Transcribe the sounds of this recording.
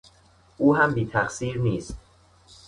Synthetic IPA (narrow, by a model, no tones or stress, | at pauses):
ʔuːɦæmbiːt̪ʰæxsiːɾniːst̪